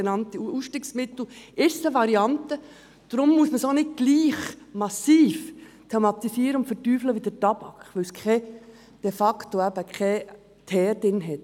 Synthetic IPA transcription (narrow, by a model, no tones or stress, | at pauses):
enɑnt̪iusʃtiːksmɪt̪l̩ʔɪsəʋɑɾiɑnt̪ə | d̥ɾʊmːuəsməsonɪd̚ɡ̥liːχmɑsiːf | tʰɛmɑt̪isiːəɾəʊntfəɾtyːfləʋidəɾtɑb̥ɑkʋɪwskʰɛ | d̥ɛfɑktoæbəkʰɛ | t̪ʰɛːɾdɪnɦɛt